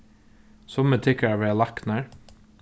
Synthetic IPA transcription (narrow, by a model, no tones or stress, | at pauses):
sɔmət̪ʰɪkəæːʋeɑlɑknæːɹ